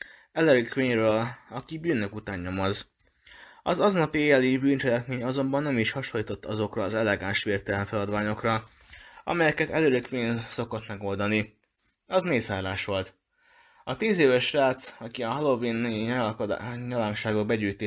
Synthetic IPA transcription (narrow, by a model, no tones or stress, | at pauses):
ɛlɛɾøkʋeːɲrøːlɒkibyːnːøkut̪aːɲːo̞moz | ɒzɒznɒpieːjɛlibyːnt͡ʃɛlɛkmeːɲɒzo̞mbɒnːɛmiʃhɒʃolːiːt̪o̞t̪ːɒzo̞krɒːzɛlɛɡaːnʃʋeːrt̪ɛlɛɱfɛlɒd̪ʋaːɲo̞krɒ | ɒ̰mɛjɛkɛt̪ɛ̰løɾøkʋeːnso̞ko̞t̪mɛɡo̞ld̪ɒni | ɒzmeːsaːlaːʃʋo̞lt̪ | ɒt̪iːzeːvɛʃraːt̪sɒkiɒɦɒlo̞viːnji | ɲɒlaːŋʃaːɡo̞ɡ̚bɛɟyːjt̪eː